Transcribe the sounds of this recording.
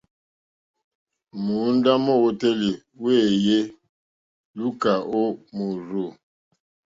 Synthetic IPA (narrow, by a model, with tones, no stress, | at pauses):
mu˨˦nda˦mɔ˦˨wo˦te˦li˨ | we˦˨je˦ | lu˦ka˨ʔo˦mu˨ɾu˨